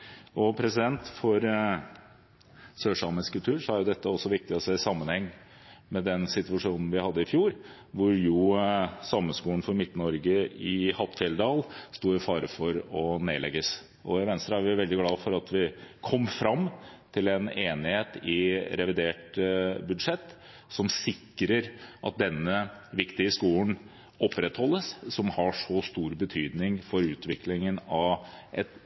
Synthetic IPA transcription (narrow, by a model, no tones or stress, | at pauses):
ʔɔpʰɾɛsɪd̪ɛnt̪fɔɾ | søːʂɑmənskʉlt̪ʰʉːɾʂɔæɾjʊd̪ɛt̪ːəɔsːɔʋɪk̚t̪ɪɔseːsɑmːənhɛŋː | mɛd̪ɛnsɪt̪ʋɑʂuːnn̩ʋɪhɑd̪ːəɪfjuːɾ | ʋʊɾjʊsɑmːəskuːəɳ̩fɔɾmɪt̪ːnɔɾɡəɪhɑt̪ːfɛld̪ɑːlst̪uːɪfɑːɾəfɔɾɔneːlɛ̰ɡːəs | ʔɔɪʋɛnst̪ɾəæɾʋɪʋɛld̪ɪɡlɑːfɔɾɑt̪ʋɪkʰɔmːfɾɑmːt̪ʰɪlɛneːnɪheːt̪ɪɾɛʋɪd̪eːʈbʉd̪ʂɛt̪ː | sɔmsɪkːɾəɾʔɑ̰t̪̚d̪ɛnːəʋɪkt̪ɪəskuːən | ɔpːɾɛt̪hɔlːəssɔmhɑʂɔst̪uːɾbət̪ʰyːd̪nɪŋfɔɾʉːt̪ʋɪklɪŋənɑʋʔɛt̪